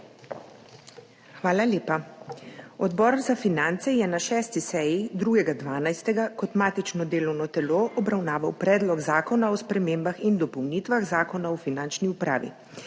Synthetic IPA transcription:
xʋaːlaleːpa | ɔd̪bɔːɾzafinant̪sɛjɛnaʃɛːst̪isɛjid̪ɾuːɡɛɡad̪ʋaːnajst̪ɛɡakɔt̪maːt̪it͡ʃnɔd̪eːlɔwnɔt̪ɛloːʔɔbɾawnaːʋawpɾɛːd̪lɔɡzaːkɔnaɔspɾɛmeːmbaxind̪ɔpɔwniːt̪ʋaɣzaːkɔnaɔfinant͡ʃniupɾa̰ːʋḭ

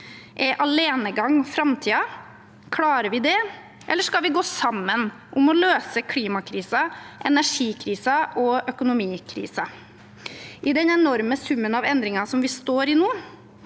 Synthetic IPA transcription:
ʔɛʔɑleːnəɡɑŋːfɾɑmt̪ʰiːɑ | kʰɽɑːɾəʋɪd̪ɛ | ʔɛ̰lːəʂkɑlʋɪɡoːsɑmːən | ʔʊmɔløːsəkʰliːmɑkʰɾiːsɑʔɛnæʂiːkʰɾiːsɑʔɔœkʊnʊmiːkʰɾḭːsɑ | ʔɪd̪ɛnɛnɔɾməsʉmːənɑʋɛnd̪ɾɪŋɑsɔmʋɪst̪oːɾɪnuː

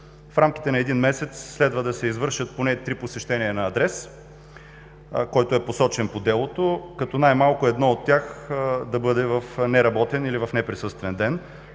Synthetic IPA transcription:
fɾamk̟i̥t̪ɛnɐɛd̪inmɛsɛt̪sːlɛd̪vɐd̪ɐsɛizvɤɾʃət̪̚ponɛt̪ɾiposɛʃt̪ɛniɐnɐːd̪ɾɛs | kɔjt̪oʊɛposɔt͡ʃɛnpod̪ɛlˠot̪okɐt̪ɔnajmalˠkʊɛd̪nɔot̪ːjaxd̪ɐbɤd̪ɛvɐfnɛɾɐbɔt̪ɛnilivɐfnɛpɾisɤst̪vɛnd̪ɛn

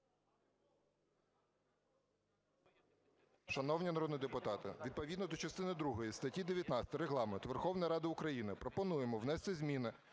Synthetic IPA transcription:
ʃɐnɔwnʲinɐɾɔd̪niid̪epʊt̪ɑt̪ɪʋʲid̪̚pɔʋʲid̪nɔd̪ɔt͡ʃɐst̪ɪnɪd̪ɾuɦɔjist̪ɐtʲid̪eʋʲjɐt̪nɑt͡sʲsʲt̪ɐɾeɦlˠɑment̪ʋerxɔwnɐjɾɑd̪ɪʊkɾɐjinɪpɾɔpɔnujemɔʋnɛst̪ɪzʲmʲinɪ

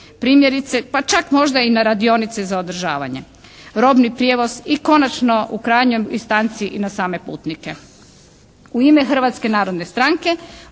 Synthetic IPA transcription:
pɾiːmjeɾit̪sepat͡ʃakmo̞ʒd̪ainaɾad̪io̞nit̪sezaod̪r̩ʒa̰ːʋa̰ɲe̞̰ | ɾo̞bnipɾjeʋo̞z̥iko̞nat͡ʃno̞ʔukɾaːjɲojist̪ant̪siʔinasaːme̞pṵːt̪nike̞ | uimexr̩ʋat̪ske̞naːɾo̞d̪ne̞st̪ɾaŋke̞

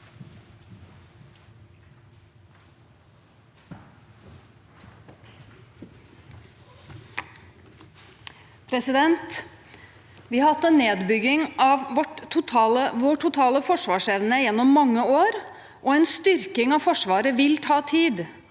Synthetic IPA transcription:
pʰɾɛsɪd̪ɛnt̪ | ʋɪhɑɾhɑt̪ːɛnːeːd̪bʏɡɪŋɑʋʋɔʈʰːʊt̪ʰɑəʋoːʈʰʊt̪ʰɑːləfɔʂʋɑːʂɛʋnəjɛnːɔmːɑŋːəoːɾ | ʔoɛnst̪ʏɾkɪŋɑʋfɔʂʋɑːɾəʋɪlt̪ʰɑːt̪ʰiːd̪

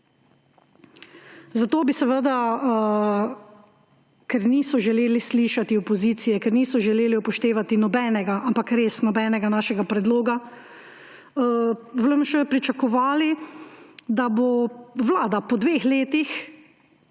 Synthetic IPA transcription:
zat̪oːbisɛʋəd̪a | kɛɾniːsɔʒɛleːlisliʃat̪iɔpɔziːt̪sijɛkɛɾniːsɔʒɛleːliupɔʃt̪eːʋat̪inɔbɛːnɛɡaʔampakɾeːsnɔbɛːnɛɡanaːʃɛɡapɾɛd̪loːɡa | ʋləmʃɛpɾit͡ʃakɔʋaːli | d̪aboʋlaːd̪apɔd̪ʋeːxleːt̪ix

